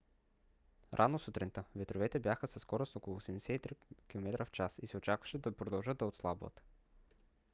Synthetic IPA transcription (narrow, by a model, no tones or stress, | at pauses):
ɾʔanosut̪ɾint̪əvɛt̪ɾovɛt̪ɛbjaxəsɐskɔɾosɔkolˠoːsɛmd̪ɛsɛt̪it̪ɾikʲilˠomɛt̪ɾəft͡ʃasisɛot͡ʃakvə̥ʃɛd̪ɐpɾod̪ɐlˠʒɤd̪d̪ɐot̪slˠabvə̰t̪